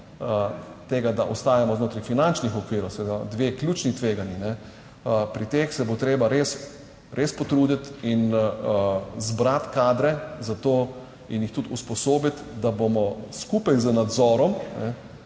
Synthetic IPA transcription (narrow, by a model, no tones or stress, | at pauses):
ət̪eːɡad̪aʔɔst̪aːjamɔznoːt̪ɾafinant͡ʃnixɔkʋiːɾɔwsɛd̪ad̪ʋeːkljuːt͡ʃnit̪ʋeːɡaninɛ | pɾit̪eːxsɛbot̪ɾeːbaɾeːs | ɾʔespɔt̪ɾuːd̪it̪in | zbɾat̪kaːd̪ɾɛzat̪oː | injixt̪ut̪uspɔsoːbit̪d̪abomɔskupajzənad̪zɔːɾɔmnɛ